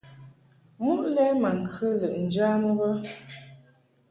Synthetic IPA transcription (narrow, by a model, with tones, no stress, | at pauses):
mu˦ʔlɛ˦ma˨ŋ̩˨kʰɨ˦lə˨ʔn̩˨d͡ʒa˦m˦ɣə˦